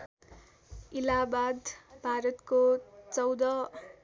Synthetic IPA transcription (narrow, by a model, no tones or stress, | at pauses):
ilabad̪bʱaɾʌt̪kot͡sʌwd̪ʌ